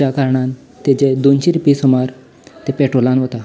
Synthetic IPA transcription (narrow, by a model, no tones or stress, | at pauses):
akaɾɳan | t̪ed͡ʑed̪ont͡ɕiɾupisɔmaɾ | t̪epeʈɾolãnɦot̪a